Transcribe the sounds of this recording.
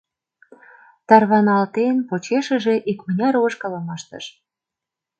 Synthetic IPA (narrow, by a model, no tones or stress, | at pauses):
t̪ɑrβɑnɑlt̪enpot͡ɕeʃə̆ʒeʔikmənʲɑɾoʃkɤ̆lə̆mɑʃt̪ə̰ʃ